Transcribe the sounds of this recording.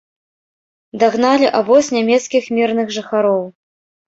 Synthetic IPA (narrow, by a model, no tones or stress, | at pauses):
d̪aɣn̪alʲiʔavɔsʲnʲamʲɛt̪skʲixmʲirnɨxʐɨxaɾɔw